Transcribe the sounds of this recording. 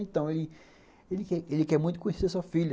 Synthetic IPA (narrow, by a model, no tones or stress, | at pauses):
ẽt̪ɐ̃w̃elɪ | elɪkɛɾelɪkɛɾmũj̃t̪ʊkõɲeseɾsoɐfiʎɐ